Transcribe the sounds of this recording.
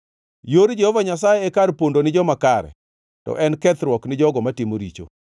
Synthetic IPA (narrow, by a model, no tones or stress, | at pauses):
joɾd͡ʒehovaɲas̬ajeːkaɾpondonɪd͡ʒɔmakaɾɛ̰ | tɔ̰ʔɛnkɛt̪ɾwɔknɪd͡ʒɔɡɔmatimoɾit͡ʃo̰